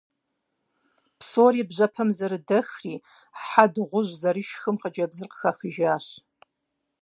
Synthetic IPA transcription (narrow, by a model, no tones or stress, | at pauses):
psoːribʑɐpʰɐmzɐɾɨdɐxriː | ħadʁʷʊʒzɐrɨʃxɨmqəd͡ʒɐbzɨrqə̥xɐxɨʒaːɕ